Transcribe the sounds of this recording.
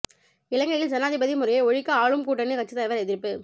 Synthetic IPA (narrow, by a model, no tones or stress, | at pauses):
ɪlɐŋɡɐjɪld͡ʒɐnaːðɪbɐðimʊɾɐjɐɔɻɪkːɐaːɭɯmkuːʈːɐnːɯkɐt͡ʃːɯt̪ːɐjʋɐɾɛðɪɾɯpːɯ